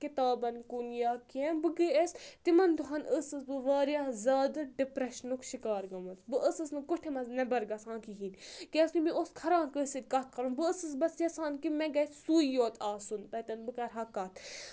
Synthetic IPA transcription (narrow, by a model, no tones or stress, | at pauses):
kit̪aːbɐnkunjaːkienbɨɡəest̪imɐnd̪ʊɦɐnəsɨsbɨʋaːɾjazʲaːd̪ɐɖipɾɐʃnukʃikaːɾɡɐmɐt͡sbɨʔəsɨsnɨkuʈʰemɐznɐbɐɾɡɐsãːkiɦiːnkeskimioskʰɐɾãːnkəsit̪̚ʲkɐt̪̚ʰkɐɾunbɨəsɨsbɐsjɐsaːnkimɛɡɐsuːjoːt̪ʰaːsunpɐt̪ɐnbɨkɐɾɦɐkɐt̪ʰ